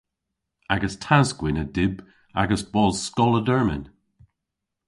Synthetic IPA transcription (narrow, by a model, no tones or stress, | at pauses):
aɡəstʰazɡwɪnədɪb | a̰ɡəsb̥ɔlˠzskɔlədɜɹmɪ̰n